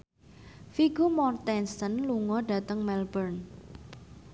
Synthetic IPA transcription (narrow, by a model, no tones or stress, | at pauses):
fiɡumɔrt̪ɛnsənluŋɔɖä̤t̪əŋmɛlbərn